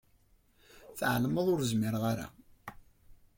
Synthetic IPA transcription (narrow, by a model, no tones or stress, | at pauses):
θʕlməðˤʊɾzmɪɾʁaɾa̰